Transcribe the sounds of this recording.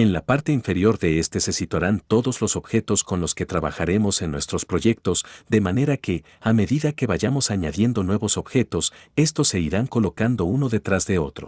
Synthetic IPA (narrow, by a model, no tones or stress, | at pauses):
e̞nlapaɾt̪e̞iɱfe̞ɾjo̞ɾðe̞est̪e̞se̞sit̪waɾant̪o̞ðo̞zlo̞so̞b̥xe̞t̪o̞sko̞nlo̞ske̞t̪ɾaβa̰xaɾe̞mo̞se̞nːwe̞st̪ɾo̞spɾo̞ʝe̞k̚t̪o̞zd̪e̞mane̞ɾake̞ | ame̞ðiðake̞βaʝamo̞saɲaðje̞nd̪o̞nwe̞βo̞so̞bxe̞t̪o̞se̞st̪o̞sːe̞iɾaŋko̞lo̞kand̪o̞uno̞ðe̞t̪ɾazðe̞o̞t̪ɾo̞̰